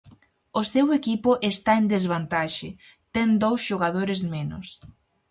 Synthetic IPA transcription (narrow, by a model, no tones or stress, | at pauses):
ʊsewekipʊʔest̪aend̪ezβant̪aʃɪ | t̪ɛŋd̪owsʃoɣaðoɾɪzmenʊ̰s